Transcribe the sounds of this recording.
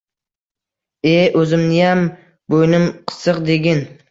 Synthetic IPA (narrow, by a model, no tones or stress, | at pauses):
eʔɵzɪmnɪjam | bojnɪmqʰɨ̥sɨqd̪eɡʲɪn